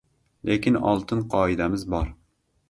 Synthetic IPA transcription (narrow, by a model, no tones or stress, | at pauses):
lʔekʲɪnɒ̰lˠt̪ʰɨnqʰɑːid̪amɪzbɒɾ